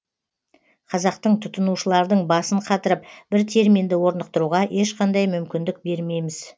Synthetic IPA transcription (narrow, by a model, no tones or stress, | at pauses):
qʰɑzɑqt̪əɴt̪ʰʊt̪ənuʃəlˠɑɾd̪əɴbɑsəɴqʰɑt̪əɾəp̚b̥ɪɾt̪ʰe̞ɾmind̪ɪwo̞ɾnəq̚t̪əɾuʁɑʔe̞ʃqɑnd̪ɑjmʏmkʲɪnd̪ɪk̚be̞ɾme̞jmɪz